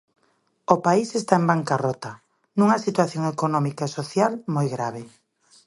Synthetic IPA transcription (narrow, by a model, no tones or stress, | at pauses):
opaisest̪aembaŋkarɔt̪ɐ | nũŋɐsit̪waθjoŋekonɔmikaesoθjalmojɣɾaβ̞e